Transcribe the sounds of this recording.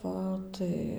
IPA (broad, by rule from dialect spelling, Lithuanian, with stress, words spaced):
ˈʋɐ tɐɪ